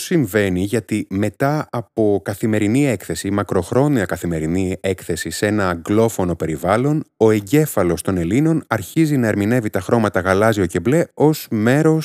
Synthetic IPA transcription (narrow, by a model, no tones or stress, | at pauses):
siɱve̞niʝɐt̪ime̞t̪ɐɐpo̞kɐθime̞ɾinie̞kθe̞simɐkɾo̞xɾo̞niɐkɐθime̞ɾinie̞kθe̞sise̞nɐɡlo̞fo̞no̞pe̞ɾivɐlo̞no̞e̞ɲɟe̞fɐlo̞st̪o̞ne̞lino̞nɐɾçizinɐeɾmine̞vit̪ɐxɾo̞mɐt̪ɐɣɐlɐzio̞ce̞ble̞o̞zme̞ɾo̞